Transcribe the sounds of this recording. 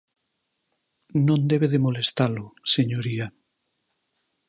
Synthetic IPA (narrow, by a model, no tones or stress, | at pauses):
nõnd̪eβeðemolest̪alʊseɲoɾia